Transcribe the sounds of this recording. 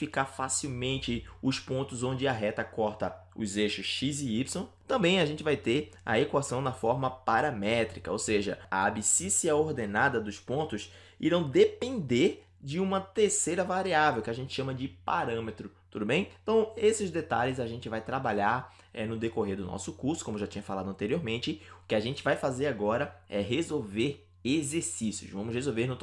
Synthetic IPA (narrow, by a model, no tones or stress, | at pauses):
fikaɾfasiwmẽnt͡ʃɪʊspõnt̪ʊzõnd͡ʒɪɐɦɛt̪ɐkɔɾt̪ɐ | ʊ̰zeʃʊsʃizɪipsõt̪ɐ̃mbẽj̃aʒẽnt͡ʃɪvajt̪eɾ | ɐ̰ekwasɐ̃w̃d̪ɐfɔɾmɐpaɾɐmɛt̪ɾikɐowseʒɐa̰abisisiɐoɾd̪enad̪ɐd̪ʊspõnt̪ʊs | ḭɾɐ̃w̃d̪epẽnd̪eɾ | d͡ʒɪũmɐt̪eɾsejɾɐvaɾiavewkɪaʒẽnt͡ʃ̪ɪ̥ʃɐ̃mɐd͡ʒɪpaɾɐ̃met̪ɾʊt̪ud̪ʊbẽj̃t̪ɐ̃w̃esɪzd̪et̪a̰ʎɪzaʒẽnt͡ʃɪvajt̪ɾabaʎaɾ | ɛnʊd̪ekoɦeɾd̪ʊnɔ̰sʊkuɾsʊkõmʊoʊʒat͡ʃĩɲɐfalad̪ʊɐ̃nt̪eɾioɾmẽnt͡ʃɪʊkɪaʒẽnt͡ʃɪvajfazeɾaɡɔɾɐɛɦezowveɾ | ezeɾsisiʊ̰ʃvɐ̃mʊshezowveɾnʊt̪